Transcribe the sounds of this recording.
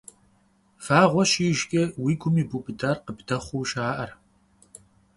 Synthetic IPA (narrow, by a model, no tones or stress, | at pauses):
faːʁʷɔɕiʒkʲʼɛwiːɡʷʊmiːbuːpɨdaːrqəbdɐχʷuːʃaːʔɐr